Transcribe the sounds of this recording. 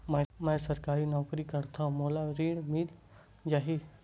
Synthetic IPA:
mə̃mɛ̃səɾkaːɾinɔːkɾikəɾt̪ʰaũmoːlaɾiːɽmil | d͡ʒaːɦi

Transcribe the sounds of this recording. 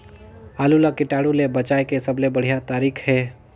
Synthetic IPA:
aːlulakɪʈaːɽulebət͡ʃaːekesəblebəɽ̤ijat̪aːɾiːkʰɦɛː

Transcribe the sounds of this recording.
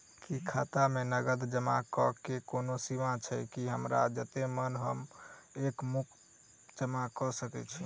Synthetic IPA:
kikʰat̪amenəɡəd̪d͡ʒəma̰kɔkekonosimãt͡ʃʰɛkiɦəmɾa̰d͡ʒət̪emənɦəmekmukʰ | d͡ʒəmakɔsəkɛ̰t͡ʃʰi

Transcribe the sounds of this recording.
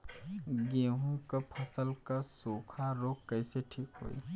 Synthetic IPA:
ɡeːɦũkəpʰɐsəlkasoːkʰaɾoːkkːəɪseʈʰiːkɦo̰ːḭ

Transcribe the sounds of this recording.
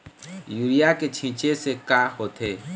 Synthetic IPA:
juːɾijaket͡ʃʰĩːt͡ʃesekaːhoːt̪ʰeː

